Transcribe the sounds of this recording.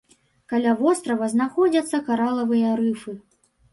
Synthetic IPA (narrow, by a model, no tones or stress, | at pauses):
kalʲavɔst̪ɾɐvɐznaxɔd͡zʲɐt̪sːɐkaɾalˠɐvɨjɐɾɨfɨ